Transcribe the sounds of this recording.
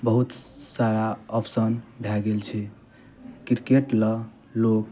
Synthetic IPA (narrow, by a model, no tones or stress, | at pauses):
bəɦut̪saɾaɔpsənbʱjaɡelt͡ʃʰɛ | kiɾkeʈlə | lok